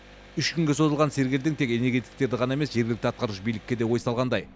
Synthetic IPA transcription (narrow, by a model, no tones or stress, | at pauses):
ʏʃkʲʰʏŋɡʲe̞so̞zəlˠʁɑnse̞ɾɡʲeld̪ɪŋt̪ʰe̞ke̞ne̞ɾɡʲe̞t̪i̥k̚t̪e̞ɾd̪ɪʁɑnɑe̞me̞sʒeɾɡʲɪlɪkt̪ɪɑt̪̚qɑɾuʃbijlɪkʲːe̞d̪e̞wo̞jsɑlˠʁɑnd̪ɑj